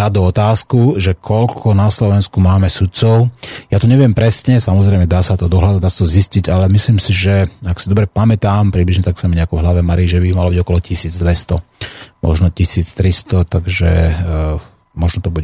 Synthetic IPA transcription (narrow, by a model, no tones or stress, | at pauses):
ɾad̪uɔt̪aːskuʒɛkʰɔʎkʰɔnaslɔʋɛnskumaːmɛsut̪̚t͡sɔʊjaːt̪ɔɲɛʋɪɛmpɾɛsɲɛsamɔzɾɛɪmɛd̪aːsat̪ɔd̪ɔɦlad̪d̪aːsḁt̪ɔzisciɟalɛmisliːmsiʒɛaksid̪ɔbɾɛpamɛt̪aːmpɾibliʒɲɛt̪aksamiɲɛakɔvɦlaʋɛmaɾiiʒɛbimalɔbiɟɔkɔlɔcisiːd͡zd̪ʋɛst̪ɔmʔɔ̰ʒnɔcisiːt͡st̪ɾist̪ɔt̪aɡʒɛ̰ | mɔʒnɔt̪ɔbuɛ